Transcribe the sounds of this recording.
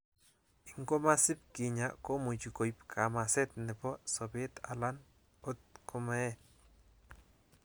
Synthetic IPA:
i˨ŋɡo˦ma˦sɪ˦p̚ki˨ɲako˦mu˨t͡ʃi˨ko˨jpkʰa˨ma˨sɛ˦t̪̚nɪ˨bɔ˦sɔbe˦t̪a̰˨la˦n | o˦t̪̚ko˦ma˦ɛ˦

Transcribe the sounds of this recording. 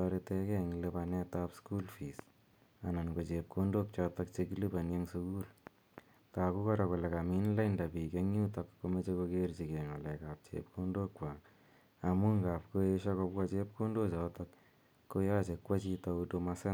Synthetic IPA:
ɔ˧ɾe˧tɛkɛ˦ŋlepa˨nɛ˦tapsku˦lfi˨s | a˨na˨nko˨t͡ʃe˨p̚kʰu˦ndo˦k̚t͡ʃɔ˧tɔk̚t͡ʃeki˦li˦pa˨nje˦ŋsu˦ku˦l | taː˨ku˦kɔ˦ɾa˨ko˨le˨ka˨mi˦nla˦inda˨pi˨ke˦ŋju˦takko˦me˦t͡ʃe˦ko˧kert͡ʃi˨kɛːŋɔ˨lɛ˨kap̚t͡ʃḛpkundo˦kwa˨ | a˨mu˦ŋɡaː˨p̚ko˦eʃa˦kopka˦t͡ʃe˦p̚ku˦ndo˦t͡ʃɔtɔkː | o˦ja˦t͡ʃe˨kwa˦t͡ʃi˦ta˧udo˧masɛ˦n

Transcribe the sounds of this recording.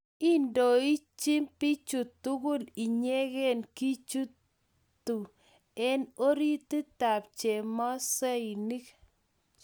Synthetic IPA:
i˦ndo˨i˦t͡ʃi˦mpi˦t͡ʃu˨tːu˦kʊ˦li˨ɲe˦ɣɛ˦˨nki˦t͡ʃu˦ | tu˨ | ɛ˦no˦ɾi˦ti˦ta˨pt͡ʃe˨mɔ˦se˦i˨ni˦k

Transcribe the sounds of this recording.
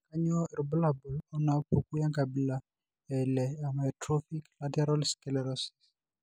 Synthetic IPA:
ka˦ɲo˦˨ɾɔ˨bla˨bu˨lɔ˦na˨o˦po˨ku˦ja˦ŋɡa˨bi˨la˨ | ɛ˨lɛ˨a˨ma˨ɛ˨tɾo˦fi˦kla˦tɛ˦ɾɔ˦lskɛlɛ˨ɾɔ˦si̥˨s

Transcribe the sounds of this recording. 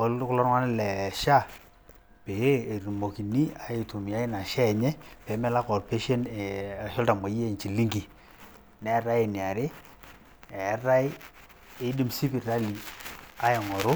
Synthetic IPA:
o˨lkʊ˦lɔ˦ɾŋwa˦n˦lɛ˨ʃa˦˨ | pe˨e˦e˨ɾu˨mo˨ki˨ni˦a˨e˨tu˨mi˨ja˦ɪ˦na˨ʃɛ˦˨ɲɛ˦pɛ˨˦mɛ˦la˦kɔ˨rpe˦ʃe˦nɛ˨a˨ʃɔ˦lta˨ma˨˦je˦˨nt͡ʃi˨li˦ŋɡi˨ | nɛ˨˦ɾa˦ɪ˨ni˨a˨ɾɪ˦ | ɛ˨˦ɾa˦ɪ˦ | ɪ˦di˦msi˦pi˨ɾa˦li˨a˦jɛ˨ŋɔ˨ɾʊ˦

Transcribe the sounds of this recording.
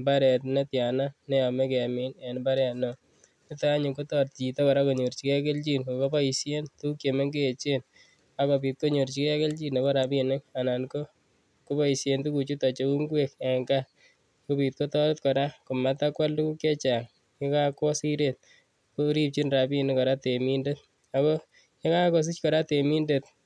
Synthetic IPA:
mba˦ɾɛ˨tna˦tja˨na˦nɛ˦jɔ˨me˦ke˨a˨mi˨ne˨nba˦ɾɛtnɔ˦ | nɪ˦ta˦ɲʊ˨ko˦tɔ˦t̚t͡ʃi˨tɔ˦kɔ˨ɾa˦ko˨ɲo˨ɾt͡ʃi˨ke˦ke˦lt͡ʃi˦nkoko˦ba˦i˨sje˦ntu˦kje˨me˦ŋɡeː˦˨t͡ʃe˦n | a˦ko˨pi˨t̚ko˦ɲo˨ɾt͡ʃi˨kɛ˦ke˦lt͡ʃi˦nɔ˨kɔ˦ɾa˨bi˦˨ne˦ŋa˨na˨nko˦ | ku˦pa˦i˨sje˦ntu˦ku˨t͡ʃu˦ta˨t͡ʃo˦u˦ŋɡwe˦ka˨ŋɡa˦ | ko˦pi˨t̚ko˦tɔ˦ɾtkɔ˨ɾa˦ko˨ma˨ta˦kwa˦ldu˦ku˦kje˦t͡ʃa˨ŋ | ɲe˦ka˦kɔ˦si˦ɾet̪̚ | ko˦ɾi˦p̚t͡ʃi˦nɾa˨bi˦e˨ne˦kɔ˨ɾa˦te˨mi˦nde˦t̚ | a˨ko˦ | ɲe˦ka˦kɔ˨s̬i˦t͡ʃkɔ˨ɾa˦te˨mi˦nde˨t̪̚

